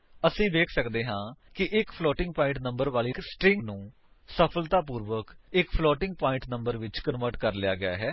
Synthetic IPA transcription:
əsĩːʋeːkʰsəkd̪eːɦãːkɪʔɪkpʰlɔːʈɪ̃ŋɡpaːɪ̃ɳʈnəmbəɾʋaːliːsʈɾɪŋɡnũː | səpʰəlt̪aːpuːɾʋəkɪkpʰlɔːʈɪŋɡ̚paːɪ̃ɳʈnəmbəɾʋɪt͡ʃkənʋəɾʈkəɾlɪja̰ːɡɪja̰ːɦɛː

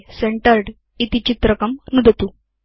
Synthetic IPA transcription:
seɳʈəɾɖ | it̪it͡ɕit̪ɾəkɐmnud̪ʱət̪u

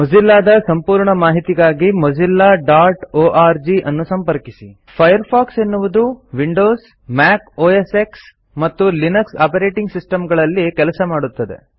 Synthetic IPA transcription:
mɔd͡ʒilːaːd̪ɐsɐmpuːɾɳɐmaːɦit̪iɡaːɡimod͡ʒilːaːɖaːɾʈoːʔaːɾd͡ʒiʔɐnːusɐmpɐɾkisi | pʰɐjɐɾpʰaːkse̞nːuʋud̪uʋiɳɖoːs | maːkoːeseks | mɐt̪ːulinɐksaːpɐɾeːʈiŋɡsisʈɐmɡɐɭɐlːikɛlɐsɐmaːɽut̪ːɐd̪e̞̰

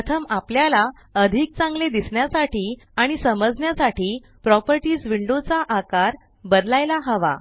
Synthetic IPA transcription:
ət̪ʰəmapljala | əd̪ʱik̚t͡sãŋɡled̪isɳjasaʈiː | aɽ̃isəməd͡zɳjasaʈiː | pɾɔpəɾʈiːsʋiɳɖot͡saʔakaɾ | bəd̪lajlaɦəʋa̰

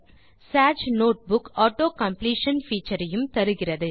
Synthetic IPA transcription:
saːd͡ʒnoːʈ̚bʊkaːʈoːkɐmpliːʂɐnfiːt͡ʃːɐɾɐjɯmt̪ɐɾɯɣɪrɐðɯ

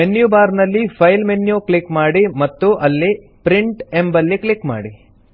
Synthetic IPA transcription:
enjubaːɾnɐlːipʰɐjlmenjukɭikmaːɽimɐt̪ːuʔɐlːi | pɾiɳʈembɐlːikɭikma̰ːɽi

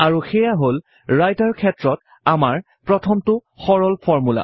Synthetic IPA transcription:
aɹuxɛjaɦol | ɹajtaɹkʰɛtɹɔt | amaɹ | pɹɔtʰɔmtʊ | xɔɹɔlpʰɔɹmula̰

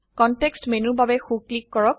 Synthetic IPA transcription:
kɔntekstmenubabɛxuklikːɔɹɔk̚

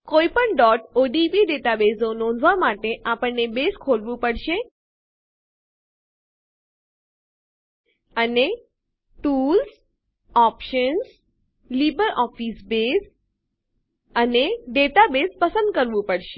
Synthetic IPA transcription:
koipəɳɖɔʈoɖipiɖeʈabesonɔ̃nd̪ʱʋamaʈeʔapəɳnebeskʰolʋũpəɽʃe | əne | ʈuls | ɔpʃəns | libəɾɔfisbes | əneɖeʈabespəsə̃nd̪kəɾʋũpəɽʃe

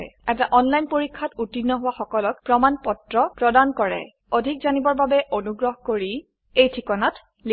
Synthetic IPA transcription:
ɛtaʔɔnlajnpoɹikʰːatutinːɔɦʊwaxɔkɔlɔk̚pɹɔmanpɔtɹɔpɹɔdankɔɹɛ̰ | odʱik̚zanibɔɹbabɛʔonuɡɹɔɦɔkoɹi | ejtʰikɔnat | li

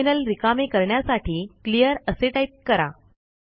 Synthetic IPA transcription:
inəlɾikamekəɾɳjasaʈiːklijəɾəseʈaiʈ̚kəɾa̰

